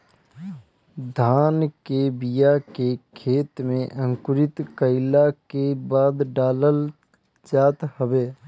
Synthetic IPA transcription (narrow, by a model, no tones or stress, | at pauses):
d̪ʱaːnkebijakekʰeːt̪mẽʔə̃ŋkʊɾɪt̪kəɪlakebaːd̪ɖaːləl | d͡ʒaːt̪həbeː